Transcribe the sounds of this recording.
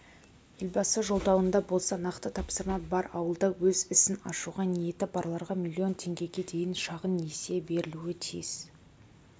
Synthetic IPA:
ʏlʲbɑsəʒo̞lˠd̪ɑwənd̪ɑbo̞lˠsɑnɑqt̪ət̪ʰɑpsəɾmɑbɑɾɑ̰wəlˠd̪ɑwɵzɪsɪnɑ̰ʃuʁɑnije̞t̪ɪbɑɾlˠɑɾʁɑmʲilʲˠːio̞nt̪ʰe̞ŋɡʲe̞ɡʲe̞d̪e̞jɪnʃɑʁənːese̞be̞ɾɪluɪt̪ʰijɪz̥

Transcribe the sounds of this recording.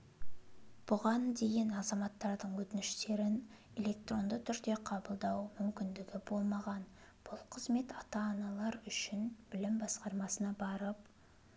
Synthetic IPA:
b̥ʊʁɑnd̪e̞jʲɪnɑzɑmɑt̪ːɑɾd̪əɴwɵt̪ɪnɪʃt̪e̞ɾɪn | e̞lʲe̞k̚t̪ro̞nd̪ət̪ʰʏɾd̪e̞qʰɑbəlˠd̪ɑwmʏmkʲɪnd̪ɪɡʲɪbo̞lˠmɑʁɑn | b̥ʊlˠqʰəzme̞t̪ɑt̪ɑːnɑlˠɑɾʏʃɪnb̥ɪlɪmbɑsqɑɾmɑsənɑbɑɾəp

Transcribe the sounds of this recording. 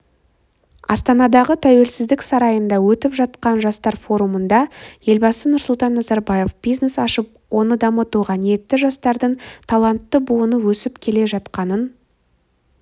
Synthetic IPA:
ɑ̰st̪ɑnɑd̪ɑʁət̪ʰæwe̞lsɪzd̪ɪksɑɾɑjənd̪ɑwɵt̪ɪpʒɑt̪̚qɑnʒɑst̪ɑɾfo̞ɾumənd̪ɑje̞lbɑsənʊɾsʊlˠt̪ɑnːɑzɑɾbɑje̞fb̥ijzne̞sɑʃəp̚ | wo̞nəd̪ɑmət̪uʁɑnijet̪ːɪʒɑst̪ɑɾd̪əɴt̪ʰɑlˠɑnt̪ːəbuənəwɵsɪpkʲʰe̞le̞ʒɑt̪qɑnən

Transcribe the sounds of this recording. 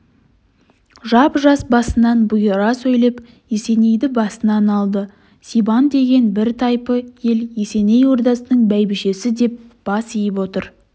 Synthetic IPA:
ʒɑpʒɑsbɑsənɑnbʊjɾɑsɵjlep | jese̞ne̞jd̪ɪbɑsənɑnɑlˠd̪ə | sibɑnd̪e̞ɡʲe̞nbɪɾt̪ʰɑjpəje̞ljese̞ne̞jwo̞ɾd̪ɑsənəɴbæjbɪʃe̞sɪd̪e̞p̚b̥ɑsijɪpwo̞t̪əɾ

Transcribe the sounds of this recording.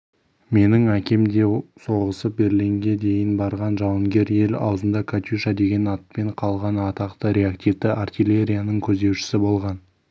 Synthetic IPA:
me̞nɪŋækʲe̞md̪e̞so̞ʁəsəp̚be̞ɾleŋɡʲe̞d̪e̞jɪnbɑɾʁɑnʒɑwəŋɡʲe̞ɾje̞lɑ̰wzənd̪ɑkʰat̪ʲjuʃɑd̪e̞ɡʲe̞nɑt̪̚pe̞ɴqʰɑlˠʁɑnɑt̪ɑqt̪əɾe̞akt̪ivt̪ɪʔart̪ʲijlʲe̞ɾʲijanəɴkʲʰɵzd̪e̞wʃɪ̥sɪbo̞lˠʁɑn

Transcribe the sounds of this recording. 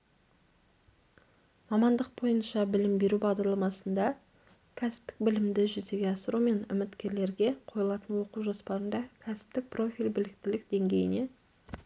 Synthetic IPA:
mɑmɑnd̪əq̚bo̞jənʃɑbɪlɪmbe̞ɾubɑʁd̪ɑɾlˠɑmɑsənd̪ɑ | kʲʰæsɪ̥p̚t̪ɪ̥k̚bɪlɪmd̪ɪʒʏze̞ɡʲeɑsəɾume̞nʏ̰mɪt̪kʲe̞ɾle̞ɾɡʲe̞qʰo̞jəlˠɑt̪ənwo̞quwʒospɑɾənd̪ɑkʲʰæsɪ̥p̚t̪ɪk̚pro̞fijlʲbɪlɪk̚t̪ɪlɪk̚d̪̥e̞ŋɡʲe̞jɪ̰ne̞

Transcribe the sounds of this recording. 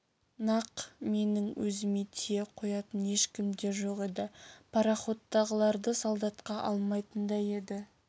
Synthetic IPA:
nɑqme̞nɪŋwɵ̰zɪmet̪ʰejeqʰo̞jɑt̪əne̞ʃkʲɪmd̪e̞ʒo̞qe̞d̪ɪpʰɑɾɑχo̞t̪ːɑʁəlˠɑɾd̪əsɑlˠd̪ɑt̪qɑʔɑlˠmɑjt̪ənd̪ɑje̞d̪ɪ

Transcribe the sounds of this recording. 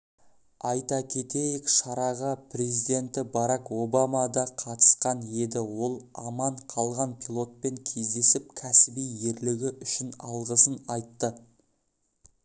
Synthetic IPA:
ɑjt̪ɑkʲʰe̞t̪e̞jɪkʃɑɾɑʁɑpʰɾe̞zid̪e̞nt̪ɪbɑɾɑko̞bɑmɑd̪ɑqʰɑt̪ə̥sqɑne̞d̪ɪwo̞lˠɑmɑɴqʰɑlˠʁɑnpʰʲilˠo̞t̪̚pe̞ŋkʲʰe̞zd̪e̞sɪp̚kʲʰæsɪbije̞ɾlɪɡʲɪʔʏʃɪnɑ̰lˠʁəsənɑjt̪ːə

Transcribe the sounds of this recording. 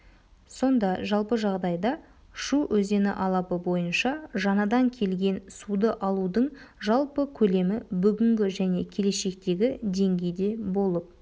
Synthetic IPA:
so̞nd̪ɑʒɑlˠpəʒɑʁd̪ɑjd̪ɑ | ʃuʔɵze̞nɪ̰ʔɑlˠɑpəbo̞jənʃɑʒɑnɑd̪ɑŋkʲʰe̞lɡʲe̞nsud̪əʔɑlˠud̪əɴʒɑlˠpəkʲʰɵle̞mɪbʏɡʲɪŋɡʲɪʒæne̞kʲʰe̞le̞ʃe̞kt̪e̞ɡʲɪd̪e̞ŋɡʲe̞jd̪e̞bo̞lˠəp̚

